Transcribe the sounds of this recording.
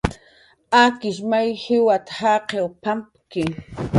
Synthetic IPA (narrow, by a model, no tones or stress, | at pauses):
akɪʃmajhɪwat̪ḁhaqewpampkɪ